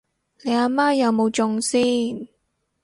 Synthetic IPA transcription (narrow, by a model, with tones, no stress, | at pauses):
le˨˧jaː˧maː˥jɐ˨˧wmo˨˧wt͡sʊ˧ŋsiː˥˩n